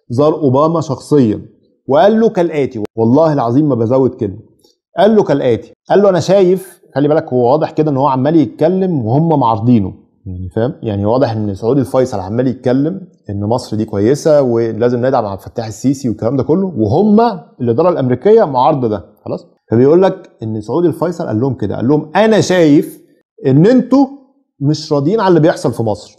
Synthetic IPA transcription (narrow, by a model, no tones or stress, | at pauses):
zˤɑːɾˤʔobæːmæʃɑxsˤejːɑ̰ | weʔælːokælʔæːt̪iwɑlˤːɑːhelʕɑzˤiːmːæbæzæwːet̪kelmæ | ʔælːokælʔæːt̪i̥ʔælːoʔænæʃæːjef | xælːibælækhowːæwɑːd̪ˤeħked̪æʔenːhowːæʕamːæːlijet̪̚kælːemwehomːæmoʕɑɾˤd̪ˤiːno | jaʕnifæhmjaʕniwɑːd̪ˤeħʔenːsoʕuːd̪ilfɑjsˤɑlʕamːæːlijet̪̚kælːemʔenːmɑsˤɾd̪iːkwæjːesæwelæːzemned̪aʕmaʕefæt̪ːaːħesːiːsiwekːælæːmd̪ækolːoweɦomːæelʔed̪ɑːɾˤɑlʔæmeɾiːkejːæmoʕɑɾˤɑd̪ˤɑd̪æxɑ̰lˤɑːsˤ | fæbejʔuːlːækʔenːsoʕuːd̪ielfɑjsˤɑlʔæ̰lːohomked̪æ̰ʔæ̰lːohomʔænæʃæːjef | ʔenːʔent̪o | meʃɾˤɑːd̪jiːnʕalːibejeħsˤɑlfimɑsˤɾ